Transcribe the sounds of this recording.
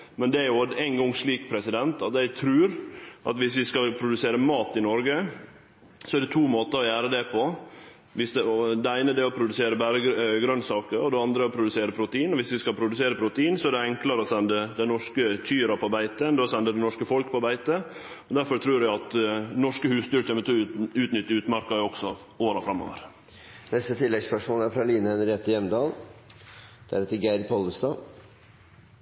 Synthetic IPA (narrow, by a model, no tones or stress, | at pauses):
mɛnd̪ɛæɾjʊæɪnɡɔŋʂɭiːkpʰɾɛsɪd̪ɛnt̪ɑt̪jæɪt̪ʰɾʉːɾʔɑ̰t̪ʋɪsʋɪskɑlpʰɾʊd̪ʉseːɾəmɑːt̪ɪnɔɾɡə | sɔæɾɖɛt̪ʰuːmoːt̪əɾɔjæːɾəd̪ɛpʰɔ | ʋɪsɔd̪ɛæɪnəd̪ɛɔpʰɾʊd̪ʉseːɾəbæɾəɡɾœnsɑːkəɾɔd̪ɛɑnd̪ɾəɔpʰɾʊd̪ʉseːɾəpʰɾʊt̪əiːnɔʋɪsʋɪskɑlpʰɾʊd̪ʉseːɾəpʰɾʊt̪əiːnsɔæɖɛɛŋkləɾəɔsɛnd̪əd̪ɛnɔʂkəc͡çyːɾɑpʰɔbæɪt̪ənd̪oːsɛnd̪əd̪ɛnɔʂkəfɔlkpʰɔbæɪt̪ə | ɔd̪æɾfɔɾt̪ʰɾuːɾæɑt̪nɔʂkəhʉːst̪yːɾçʰeːmət̪ʰoʉːt̪nʏt̪ːəʉːt̪mɑɾkɑæɔɡ̥sɔ | oːɾɑfɾɑmːo̰ːʋə̰ɾ | nɛst̪ət̪ʰɪlːɛɡspœʂmoːlæɾfɾɑliːnəhɛnəɾɛt̪ːɪjɛmnd̪ɑːl | d̪̥ɛæɾhɛːt̪əɡæɪɾpʰɔləst̪ɑː